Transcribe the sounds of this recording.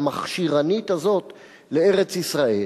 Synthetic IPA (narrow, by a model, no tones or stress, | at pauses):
maχʃiʁanit̪azo̞t̪ | le̞e̞ʁe̞t͡sisʁae